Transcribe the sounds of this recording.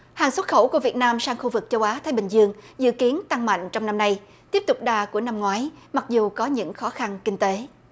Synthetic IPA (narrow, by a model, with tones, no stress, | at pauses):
haː˨˩ŋswə˦˥t̚xə˧˩wku˧˩əvi˨˩ət̚naː˧msaː˧ŋxu˧vɨ˨˩k̚t͡ɕə˧wʔaː˨˦t̪ʰaː˨˦jɓï˨˩ŋ̟zɨ˧əŋzɨ̰˧˨ki˨˦ənt̪a˧ŋma̰˧˨jŋ̟t͡ɕɔ˧wŋ͡mna˧mna˧j | t̪i˦˥əp̚t̪ʊ˨˩k͡p̚ɗaː˨˩ku˧˩əna˧mŋwaː˨˦jma˨˩k̚zu˨˩kɔ˨˦ɲɨ̰˧˥ŋxɔ˨˦xa˧nkï˧ŋ̟t̪e˨˦